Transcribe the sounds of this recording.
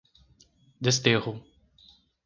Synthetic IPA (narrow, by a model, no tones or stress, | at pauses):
d̪est̪eʁʊ